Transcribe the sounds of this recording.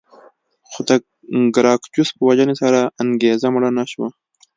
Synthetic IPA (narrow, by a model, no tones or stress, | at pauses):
xod̪a | ɡɾɑːkd͡ʒuspəwad͡ʒanesaɾaaŋɡezamɽanaʃwa